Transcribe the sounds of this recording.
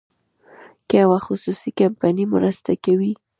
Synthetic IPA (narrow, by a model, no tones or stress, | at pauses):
kəjawaxʊsusikampanim̰ɾəst̪akawi